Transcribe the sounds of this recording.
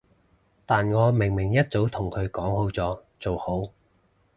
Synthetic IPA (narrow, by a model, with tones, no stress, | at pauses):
t̪aː˨nŋɔː˨˧mɪ˨˩ŋmɪ˨˩ŋjɐ˥t̚t͡so˨˥wt̪ʰʊ˨˩ŋkʰɵ˨˧ɥkɔː˨˥ŋho˨˥wt͡sɔː˨˧˥t͡so˨who˨˥w